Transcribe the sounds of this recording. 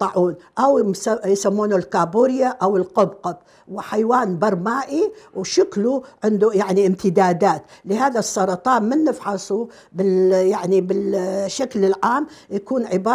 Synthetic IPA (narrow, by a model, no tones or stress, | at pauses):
t̪ˤɑʕuːnʔawajsamːuːnulkaːbuːɾjaʔawɪlqʊbqɑb | wɪħajwaːnbɑɾˤmaːʔiwʃʊkluʕɪnd̪ujaʕniʔɪmt̪ɪd̪aːd̪aːt̪lɪɦaːðasˤːɑɾˤɑt̪ˤɑːnmanːɪfħasˤu | bɪjaʕnibɪlʃːaklɪlʕaːmjakuːnʕɪbɑː